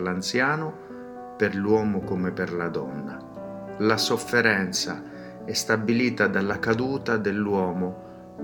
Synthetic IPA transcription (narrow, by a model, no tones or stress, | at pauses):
lant̪sjaːnʊ | pɪrlwɔːmʊkomeperlad̪ɔ̰nːa | lasofːɛɾɛnt̪sa̰ | ɛst̪abːiliːt̪ad̪alːakad̪uːt̪ad̪elːwɔːmʊ